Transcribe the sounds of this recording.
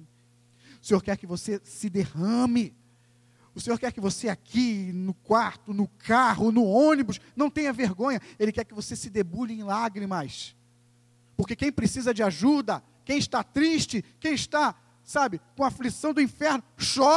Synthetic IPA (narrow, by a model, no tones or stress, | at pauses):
ʊ̥sẽɲoɾkɛɾkɪvosesɪd̪ehɐ̃mɪ | ʊsẽɲoɾkɛɾkɪvoseakʰinʊkwaɾt̪ʊnʊkʰaɦʊnʊõnibʊsnɐ̃w̃t̪ẽjɲɐveɾɡõɲɐelɪkɛɾkɪvosesɪd̪ebuʎɪẽj̃laɡɾimɐs | poɾkekẽj̃pɾesizɐd͡ʒɪaʒud̪ɐ | kẽj̃ɪʃt̪at̪ɾiʃt͡ʃɪkẽj̃ɪʃt̪a | sabɪkõɐaflisɐ̃w̃d̪ʊĩfɛɾnʊʃɔ